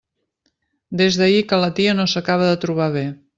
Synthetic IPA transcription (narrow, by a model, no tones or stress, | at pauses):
d̪ezðəikələt̪iənosəkaβ̞əðət̪ɾuβ̞aβ̞e